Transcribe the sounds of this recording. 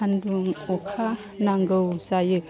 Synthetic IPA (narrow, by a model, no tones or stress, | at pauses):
anduŋɔkʰa | naŋɡɯwsajɯ